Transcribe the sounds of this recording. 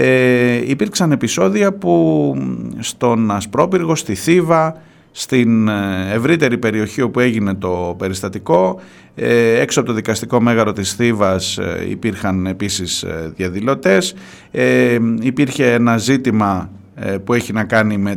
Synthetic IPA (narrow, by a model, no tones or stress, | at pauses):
eipiɾksɐne̞piso̞ðiɐpu | st̪o̞nɐspɾo̞piɾɣo̞st̪iθivɐ | st̪inevɾit̪e̞ɾipe̞ɾio̞çio̞pue̞ʝine̞t̪o̞pe̞ɾist̪ɐt̪iko̞ | e̞ksoɐpot̪o̞ðikɐst̪iko̞me̞ɣɐɾo̞t̪isθivɐsḭpiɾxɐne̞pisisðjɐðilo̞t̪e̞s | eipiɾçe̞enɐzit̪imɐ | pue̞çinɐkɐnime̞